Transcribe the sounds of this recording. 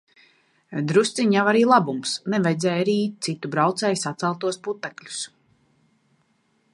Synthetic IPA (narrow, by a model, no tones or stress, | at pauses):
d̪ɾust̪siɲjavaɾiːlˠabumsnɛvajd̪zɛːjaɾiːiːt̪̚t̪sit̪ubɾawt̪sɛːjsat̪sɛlˠt̪uɔsput̪ːɛklʲu̥s